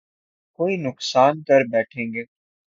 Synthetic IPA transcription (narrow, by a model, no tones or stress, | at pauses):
koːiːnʊksaːnkəɾbɛːʈʰẽːŋɡeː